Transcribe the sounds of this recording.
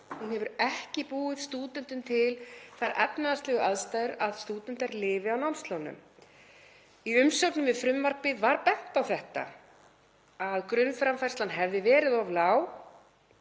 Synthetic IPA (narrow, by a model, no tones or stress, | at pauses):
hunhɛvʏɾɛhcɪpuːɪðst̪uːt̪ɛnt̪ʏnt̪ʰɪlθajɾʔɛpnaðast̪lɛɣʏʔaðst̪ajɾaðst̪uːt̪ɛnt̪aɾlɪːvɪawnawnst̪lownʏ̰m | iʏmsœknʏmvɪðfɾʏmvaɾ̥pɪðvaɾpɛn̥t̪awθɛht̪a̰ | aðkɾʏnfɾamfajrst̪lanɦɛvðɪvɛːɾɪðɔvlaːw